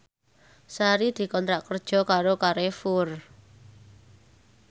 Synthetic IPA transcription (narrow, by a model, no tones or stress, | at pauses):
saɾid̪̥i̤kɔnt̪ɾaʔkərd̥ʒ̥ɔ̤kaɾokaɾefʊr